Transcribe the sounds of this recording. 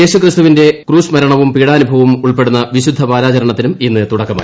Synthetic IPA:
e̞ːɕukrist̪uʋinde̞kruːsmɐɾɐɳɐʋumpiːɽaːnubʱɐʋumuɭpe̞ɽunːɐʋiɕud̪ʱːɐpaːɾaːt͡ɕɐɾɐɳɐt̪ːinuminːɨt̪uɽɐkːɐma̰

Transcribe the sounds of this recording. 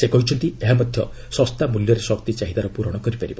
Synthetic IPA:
sekɔɦit͡ʃʰɔnt̪ieɦamad̪ʱjɔ̰ | sɔst̪amuljɔɾesɔkt̪it͡ʃaɦid̪aɾɔpuɾɔɽ̃ɔkɔɾipaɾibɔ

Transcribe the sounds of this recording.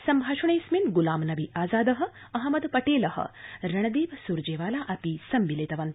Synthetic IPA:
sɐmbʱaːʃɐɳɐjsminɡulaːmnɐʋiʔaːzaːd̪ɐɦɐ̆ | ɐɦɐmɐd̪pɐʈeːlɐɦə̰ɾɐɳ̃ɐd̪iːʋsuɾd͡ʒeːʋaːlaːʔɐpisɐmʋileːt̪ɐʋɐn

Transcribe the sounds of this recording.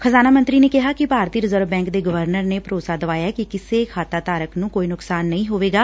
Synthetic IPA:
kʰəzaːnaːmə̃nt̪ɾiːneːkɪɦaːkɪpaːɾt̪iːɾɪzəɾʋbɛ̃ːŋkd̪eːɡəʋəɾnəɾneːpəɾoːsaːd̪əʋaːjakɪkɪseːkʰaːt̪aːt̪aːɾəknũːkoːiːnʊksaːnːəĩːɦoːʋeːɡaː

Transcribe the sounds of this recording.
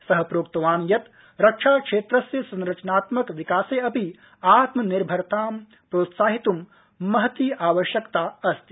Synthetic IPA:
sɐɦɐpɾoːkt̪ɐʋaːnjɐt̪ | ɾɐkʂaːkʂeːt̪ɾɐsjɐsɐ̃nɾɐt͡ʃɐnaːt̪mɐkʋikaːseːɐpi | aːt̪mɐniɾbʱɐɾɐt̪ʰaːm | pɾoːt̪saːɦit̪umː | ɐɦɐt̪iːʔaːʋɐʃjɐkt̪aːɐst̪i

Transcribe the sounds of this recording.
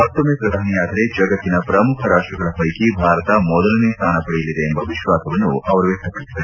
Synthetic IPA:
mɐt̪ːɐmepɾɐd̪ʱaːɳijaːd̪ɐɾe̞d͡ʒɐɡɐt̪ːinɐpɾɐmukʰɐɾaːʂʈɾɐɡɐɭɐpɐjkibʱaːɾɐt̪ɐmɔd̪ɐlɐnest̪ʰaːnɐpɐɽijɐlːid̪eːmbɐʋiʃʋaːsɐʋɐnːṵɐʋɐɾuʋek̚t̪ːɐpɐɽiid̪ː

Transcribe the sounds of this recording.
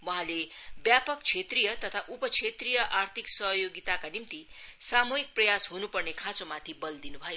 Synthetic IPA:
wʌɦãlebjapʌk̚t͡sʰet̪rijʌt̪ʌt̪ʰaʔupʌt͡sʰet̪rijʌʔart̪ʰiksʌɦjoɡit̪akanimt̪isamoik̚prʌjasɦunupʌrnekʰãt͡sõmat̪ʰibʌld̪inubʱʌjo

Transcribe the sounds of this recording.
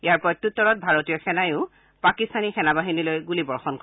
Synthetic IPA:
ijaɹpɔjtːutːɔɹɔt̚bʱaɹotijɔxɛnajʊ̃ | pakistanixɛnabaɦinilojɡulibɔɹxɔnk

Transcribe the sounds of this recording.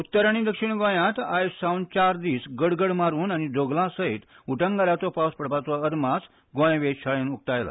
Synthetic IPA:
ut̪ːəɾaɽ̃id̪əkʂiɳɡõjãt̪ajsawnt͡ɕaɾd̪iːsɡəɽɡəɽmaɾuːnañid͡zoɡlãsəet̪ | uʈəŋɡaɾat͡sɔpawspəɾpat͡sɔəd̪mas | ɡõjʋeɕaɭenuk̚ʈ̪ajla̰

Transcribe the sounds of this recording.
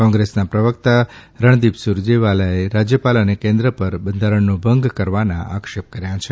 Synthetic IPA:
kɔ̃ŋɡɾesnapɾəʋəkt̪aɾəɳ̃d̪ibsuɾd͡ʒeʋaləeɾad͡ʒjəpalənekẽnd̪ɾəpəɾbənd̪ʱaɾəɳnubʱəŋɡkəɾʋanã̰ʔakʃep̚kəɾjãt͡ʃʰe

